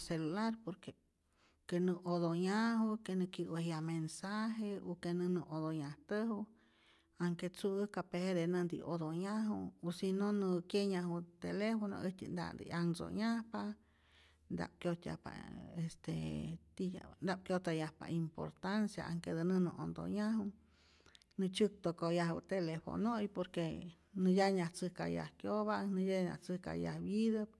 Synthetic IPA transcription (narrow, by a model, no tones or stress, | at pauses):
selulaɾpoɾke | kenɨʔod̪oɲaɦukenɨkiwejamensaɦeokenɨ̃nɨʔod̪oɲaht̪əɦu | aŋket͡suɨkapehed̪enɨnd̪ḭʔod̪oɲaɦṵosinonɨkjeɲaɦut̪elefono̰ʔit̪ind̪a̰nd̪ḭaŋso̰ɲahpa | nd̪a̰p̚kjot̪ja̰hpa̰est̪et̪ḭnd̪ap̚kjot̪ajahpa̰impo̰ɾt̪ansja̰ʔaŋked̪ənɨnɨʔond̪o̰ɲaɦu | nɨt͡ʃɨk̚t̪okojaɦɨ̰t̪elefo̰nojpoɾke | nɨjaɲaht͡sɨhka̰ja̰hkjoβanɨjaɲa̰t͡sɨhka̰jahbid̪əp̚